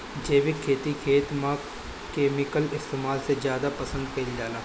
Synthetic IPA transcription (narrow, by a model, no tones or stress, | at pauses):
d͡ʒeːʋɪkʰːeːt̪ikʰeːt̪mã | keːmɪkəlɪst̪eːmaːlsezjaːd̪apɐsə̃nd̪̚kɐɪld͡ʒaːla